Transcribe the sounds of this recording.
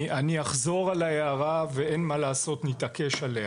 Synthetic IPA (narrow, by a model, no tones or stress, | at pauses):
ʔaniaχzo̞ʁalaeaʁaveenmalaːso̞t̪nit̪ake̞ʃaleh